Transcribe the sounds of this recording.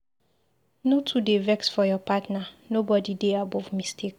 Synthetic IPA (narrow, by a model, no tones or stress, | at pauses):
notʰudevɛksfɔjɔpatnanobɔdideabɔvmistʰek